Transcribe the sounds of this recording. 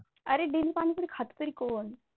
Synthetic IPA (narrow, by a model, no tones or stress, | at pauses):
əɾeɖelipañikuɽikʰat̪ut̪əɾikoːɳ